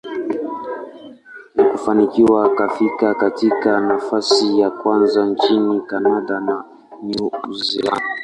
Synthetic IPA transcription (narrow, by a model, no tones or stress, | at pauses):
nikufanikiwakafikakatikanafasijakwanzant͡ʃinikanadana | nuzila̰nda